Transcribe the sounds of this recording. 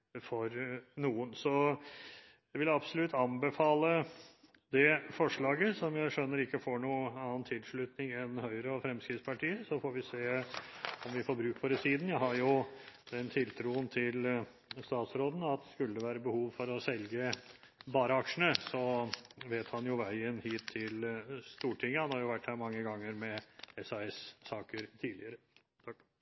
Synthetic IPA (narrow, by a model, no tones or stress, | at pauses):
fɔɾnuːənsɔ | jæʋɪlɑbsɔlʉt̪ʰːɑnbəfɑːlə | d̪ɛfɔʂɭɑːɡəsɔmjæɪʂœnːəɾɪkːəfoːɳuːɑːənt̪ʰɪlʂɭʉt̪nɪŋɛnhœʏɾəɔfɾɛmskɾɪt̪spʰɑʈiːəsɔfoːɾʋɪseː | ɔmʋɪfoːɾbɾʉːkfɔɾəsiːd̪n̩jæɪhɑɾjʊd̪̥ɛnt̪ʰɪlt̪ʰɾuːənt̪ʰɪl | st̪ɑːt̪sɾoːd̪n̩ɑt̪̚ɛskʉlːəʋæːɾəbəhuːʋfɔɾɔsɛlɡə | bɑːɾəɑkʂəɳ̩əsɔʋeːt̪hɑnjʊʋæɪənhiːt̪ʰːɪlst̪uːʈʰɪŋːəhɑnhɑɾjʊʋæʈːhæːɾmɑŋːəɡɑŋːəɾmɛɛsɑɛsːɑːkəɾt̪ʰiːdlɪəɾə